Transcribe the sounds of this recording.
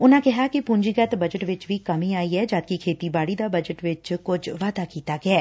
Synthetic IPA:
ʊnãːkɛɦaːkɪpʊɲd͡ʒiːɡət̪bəd͡ʒəʈʋɪt͡ʃʋiːkəmiːaːiːɛːd͡ʒaːd̪̚kikʰeːt̪iːbaːɽiːd̪aːbəd͡ʒəʈʋɪt͡ʃkʊd͡ʒʋaːd̪aːkiːt̪aːɡɪɛː

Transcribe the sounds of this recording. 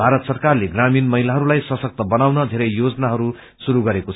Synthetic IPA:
bʱaɾʌt̪sʌrkarleɡraminmʌɦilaɦʌɾulajsʌsʌk̚t̪ʌbʌnawnʌd̪ʱeɾʌjjod͡zʌnaɦʌɾu | suɾuɡʌɾekot͡sʰ

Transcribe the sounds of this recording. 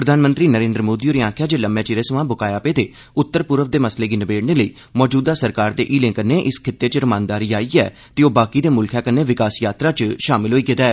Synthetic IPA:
pɾəd̪ʱaːnmə̃nt̪ɾiːnəɾẽːnd̪ɾəmoːd̪iːoɾiãːkʰjaːd͡ʒeːləmbjãːt͡ʃiɾeːsəʋãːbʊkaːjaːpeːt̪eː | ʊt̪ːəɾpʊɾəʋd̪eːməsleːɡiːnəbeːɽneːləiː | mɔːd͡ʒuːd̪aːsəɾkaːɾd̪ḛːʔiːlẽːŋkənːeːʔɪskʰɪt̪ːeːt͡ʃɾʊmãːnd̪aːɾiːaːiːɛ̰ː | t̪eːoːbaːkiːd̪eːmʊlkʰjaːkənːeːʋɪkaːsjaːt̪ɾaːt͡ʃʃaːmɪlɦoːiːkɪt̪aːɛː

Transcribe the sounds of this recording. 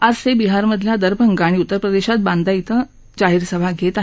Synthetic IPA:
ad͡zsebiɦaɾməd̪ʱljad̪əɾbʱəŋɡaɽ̃iut̪ːəɾpɾəd̪eɕat̪̚bãnd̪ʱait̪ə | t͡ɕaɦiɾsəbʱaɡʱet̪a

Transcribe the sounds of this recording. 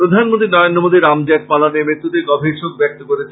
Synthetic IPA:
pɾod̪ʱanmont̪ɾinɔɾond̪ɾomod̪ʱiɾamd͡ʑɛʈ̚palanemɾet̪ːut̪eɡɔbʱiʃok̚bɛk̚t̪okoɾet͡ɕʰe

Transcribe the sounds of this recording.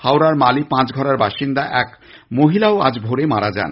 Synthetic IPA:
hawɾaɾmalipãt͡ɕɡʱɔɾaɾbaʃind̪aʔɛk | moɦilaoa̰d͡ʑbʱoɾemaɾad͡ʑa̰n

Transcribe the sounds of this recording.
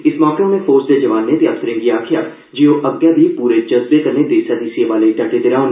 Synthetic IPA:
ɪsmɔːkõmẽfʰoːɾsd̪ed͡ʒɐʋaːnːetjaːp̚t̪ɾẽɡiaːkʰjaː | d͡ʒiːoʔɐɡjaːb̪ʱipuːɾed͡ʒɐzbekɐɾned̪eːʃad̪iːsieʋaːleʈɐʈet̪ɪɾaːn

